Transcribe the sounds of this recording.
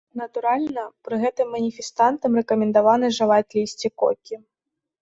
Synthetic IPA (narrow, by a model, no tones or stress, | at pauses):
nɐt̪uɾalʲnɐpɾɨɣɛt̪ɨmːɐnʲifʲɛst̪ant̪ɐmrɛkɐmʲɛnd̪avanɨʐɨvat͡sʲlʲisʲt͡sʲikɔ̰kʲi